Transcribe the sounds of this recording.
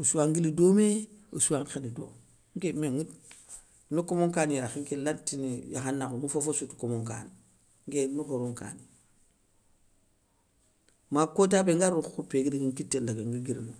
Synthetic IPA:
osuwaŋɡilidomeo̰suwaŋxenido̰ | ŋkemeŋɡit | nukomoŋkaniɾaxiŋkelatːinijaxanːanufofosutu̥komoŋka̰ni | ŋkenukoɾuŋka̰ni | makot̬abeŋɡaɾuupeɡidiɡiŋkitːelaɡeŋɡiɡiɾinu

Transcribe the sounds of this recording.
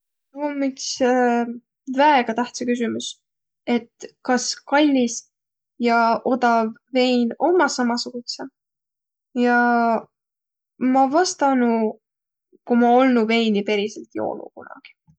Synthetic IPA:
omikse | væeɡ̥ɑt̪æht̪sɑkys̬imus | e̞t̪ːkɑskɑlʲːis | jɑʔo̞d̪ɑvːe̞jno̞mɑsɑmɑsuɡ̥use | jɑ | mɑvɑst̪ɑnu | kumɑo̞lnuve̞jnipe̞ɾiselt̪jo̞̰lṵkunɑ̰ɡ̥i̥

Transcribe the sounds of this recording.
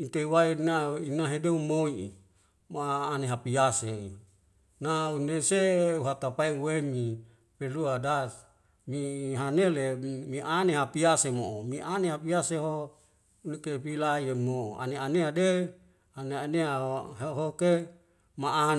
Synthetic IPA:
int̪ewainainaɦedeumoi | maːneɦapiasei | nauneseuɦat̪apaiwemi | peluadas | miɦanelemiʔaneɦapiasemoomiʔaneɦapiaseɦo | nekepilaiemoa̰neaneade | aneaneaɦoɦoke | maa

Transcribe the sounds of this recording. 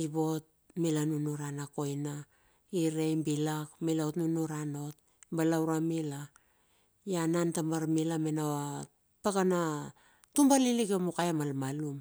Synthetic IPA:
ibo̞t̚milanunuɾanako̞jna | iɾejmbilakmilaotnunuɾano̞t̚ | balawɾamila | janantamaɾmilamenawa | pakana | tumbalilikemukajamalmalum

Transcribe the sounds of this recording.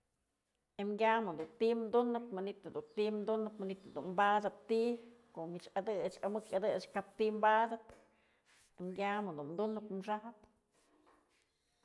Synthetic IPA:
emɡʲamɨd̪unt̪imnd̪unɨt̪manit̪ad̪unt̪imnd̪unɨt̪manit̪ad̪ṵnmbad̪at̪t̪ikomit͡ʃad̪ɨt͡ʃamɨkad̪ɨt͡ʃkap̚t̪imbad̪at̪ | emɡʲamɨd̪unnd̪unɨt̪mʂahp

